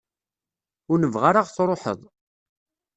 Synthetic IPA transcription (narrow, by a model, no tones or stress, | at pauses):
ʊɾnəvʁaɾaʁθɾˤoħə̰ðˤ